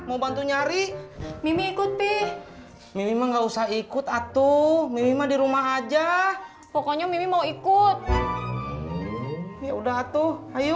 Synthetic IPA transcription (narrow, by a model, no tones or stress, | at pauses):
maubant̪uɲaɾimimiːkut̪̚pɛh | mimimaŋɡausahikut̪at̪umimimadiɾumaad͡ʒa | pɔkɔɲamimimauikut̪̚ | jaudaɦat̪uaju